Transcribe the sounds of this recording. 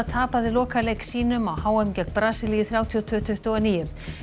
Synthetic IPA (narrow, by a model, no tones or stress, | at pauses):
t̪ʰaːpaðɪlɔːkalejksiːnʏmawhaːwɛmcɛk̪pɾaːsɪliːjɪθɾjawt̪ʰiɔt̪ʰʏt̪ʰʏht̪ɔɣaniːjʏ